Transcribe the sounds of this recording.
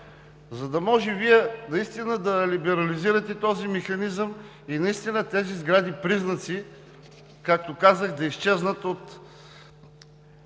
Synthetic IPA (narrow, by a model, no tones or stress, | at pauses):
zɐd̪ɐmɔʒɛviɛnɐist̪inəd̪ɐlibɛɾɐliziɾɐt̪ɛt̪ɔzimɛxɐnizəm | inɐist̪inət̪ɛzizɡɾad̪ipɾiznət̪si | kak̚t̪okazəxd̪ɐist͡ʃɛznət̪ot̪